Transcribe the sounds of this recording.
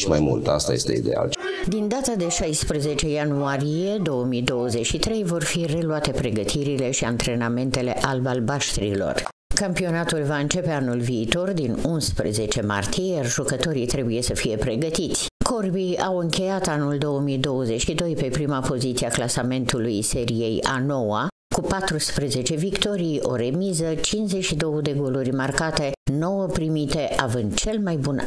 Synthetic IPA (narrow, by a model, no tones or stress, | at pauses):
ʃima̰jmṵlt̪a̰st̪a̰je̞̰st̪ḛḭd̪ḛa̰l | d̪ind̪at̪ad̪e̞ʃajspɾəze̞t͡ʃe̞januaɾije̞d̪o̞əmid̪o̞wəze̞t͡ʃʲʃit̪ɾe̞jvo̞rfire̞luat̪e̞pɾe̞ɡət̪ʰiɾile̞ʃiant̪ɾe̞name̞nt̪e̞le̞ʔalbalbaʃt̪ɾḭlo̞̰r | kampio̞nat̪ulvaɨnt͡ʃe̞pe̞anulviːt̪o̞rd̪inunspɾḛze̞t͡ʃe̞ma̰rt̪ijejarʒukət̪o̞ɾit̪ɾe̞buje̞səfije̞pɾe̞ɡət̪it̪sʲ | kʰo̞rbiawɨŋkʲe̞jat̪anuld̪o̞wəmijd̪o̞wəze̞t͡ʃʃid̪o̞jpe̞pɾimapo̞zit̪siaklasame̞nt̪ulujse̞ɾije̞ja̰no̞wa | kupat̪ɾuspɾeze̞t͡ʃe̞vikt̪o̞ɾijo̞̰ɾe̞mizət͡ʃinzet͡ʃʃid̪o̞wəd̪e̞ɡo̞lurʲmarkat̪e̞no̞wəpɾimit̪e̞ʔavɨnd̪t͡ʃe̞lmajbun